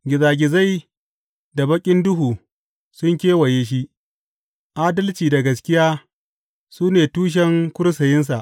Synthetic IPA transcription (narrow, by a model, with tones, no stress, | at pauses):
ɡʲɪ˨zaː˨ɡʲɪ˨za˦j | da˨bɐ˦kʲʼɪ˦ndʊ˦ɦuː˨ | sʊ˦ŋkʲeː˦wɐ˨jeː˦ʃ̬i˦ʔ | ʔaː˦dɐ˦lt͡ʃiː˨da˨ɡɐ˨skʲɪ˦jaː˦ | suː˦neː˨tuː˦ʃ̬ɛ˦ŋkʷʊ˦ɽsɐ˨jɪ˦ns̬a˨ʔ